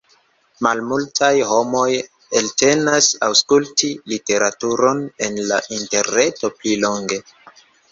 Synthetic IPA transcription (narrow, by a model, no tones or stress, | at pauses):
malmultʰajho̞mo̞j | elte̞nasawskultilite̞ɾatuɾo̞ne̞nlaʔinte̞ɾne̞to̞plilo̞ŋɡe̞